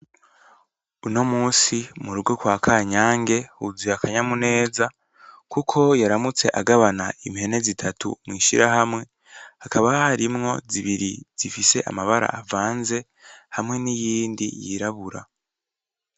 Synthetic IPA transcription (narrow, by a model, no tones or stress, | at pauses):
uno̞muːsimuɾuɡwo̞kwaːkʰaːɲaːŋɡe̞huzijakʰaɲamune̞ːza | kukʰo̞jaɾamut͡se̞ʔaɡaβanaʔimihe̞ne̞zitʰatṵmŋiːʃiɾaɦamŋe̞ | hakaβahaɾimŋo̞ziβiɾiz̥ifise̞ʔa̰maβaɾa̰ʔavaːnze̞ | hamŋe̞nijiːndḭjiɾaβuɾa̰